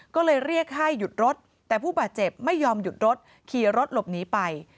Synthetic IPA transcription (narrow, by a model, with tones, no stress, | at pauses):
kɔː˥˩lɤː˧jɾi˥˩ək̚ɦa˥˩jːu˨˩t̪̚ɾo˦˥t̪̚ːɛː˨˩pʰuː˥˩baː˨˩t̪̚t͡ɕe˨˩p̚ma˥˩jːɔː˧mju˨˩t̪̚ɾo˦˥t̪̚ | kʰiː˨˩ɾo˦˥t̪̚lo˨˩p̚niː˦˥pa˧j